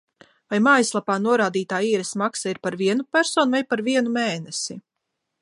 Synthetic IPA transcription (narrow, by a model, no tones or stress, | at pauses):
vajmaːjslˠapaːnuɔɾaːd̪iːt̪aːiːɾɛsmaksaiɾpaɾviɛnupʲæɾsɔːnvajpaɾviɛnumeːnɛsi